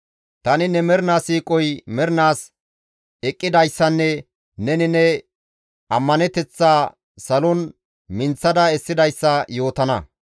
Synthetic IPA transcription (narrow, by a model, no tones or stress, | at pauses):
t̪ɐnɪnɛmɛɾnaːsiːkʼːɔjmɛɾnaːs | ɛkʼːɪd̪ɐjsːɐnːɛ | nɛnɪnɛ | ʔɐmːɐnɛt̪ɛt͡sːaː | sɐlɔn | mɪnt͡sːɐd̪ɐɛsːɪd̪ɐjsːɐjo̞ːt̪ɐnɐ